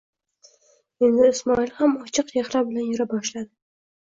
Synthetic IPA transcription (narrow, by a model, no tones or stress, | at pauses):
end̪ɪɪsmɒɪlˠhamɒt͡ʃʰɨqjehɾabɪlanjʊɾabɒʃlad̪ɪ